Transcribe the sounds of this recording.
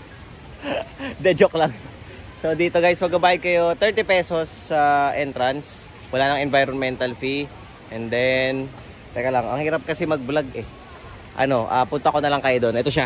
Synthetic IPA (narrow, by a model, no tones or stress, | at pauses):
d̪ɛd͡ʒoklaŋ | so̞d̪iːt̪o̞ɡajsmɐɡ̚bɐbaːjɐɡ̚kɐjo̞t̪ɛɹt̪ipɛso̞sːaʔɛnt̪ɾɐns | wɐlaːnɐŋɛnvajɾonmɛnt̪ɐlfi | ʔɛnd̪ɛn | t̪ɛkɐlaŋɐ̰ŋhiːɾɐp̚kɐsɛmɐɡ̚blaɡɛ | ʔɐ̰no̞ʔa̰ːpʊnt̪ɐʔɐkonɐlɐŋkɐjod̪o̞nʔɛt̪o̞ʃa